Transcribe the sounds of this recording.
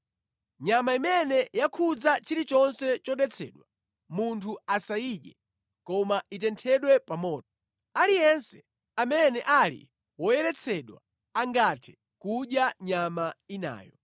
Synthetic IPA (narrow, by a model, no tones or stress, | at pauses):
ɲamaimɛnɛjakʰud͡zat͡ʃiɾit͡ʃɔnsɛt͡ʃɔɗɛt͡sʰɛ̰ːɗwa | muntʰuasaiɗɛ̰ | kɔmaitɛntʰɛɗwɛpamɔːt̚ɔ | alijɛnsɛ̥ | amɛnɛʔalḭ | wɔjɛɾɛt͡sʰɛɗwa̰ | aŋɡatʰɛ̥ | kuɗjaɲamaina̰ːjɔ̰